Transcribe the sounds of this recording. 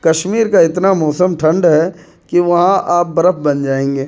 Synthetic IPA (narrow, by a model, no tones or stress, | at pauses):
kɐʃmiːɾkaɪt̪namɔːsəmʈʰɐ̃ɳɖɦɛ | kiʋɐɦãʔaːp̚bɐɾəp̚ʰbɐnd͡ʒaːẽːŋɡeː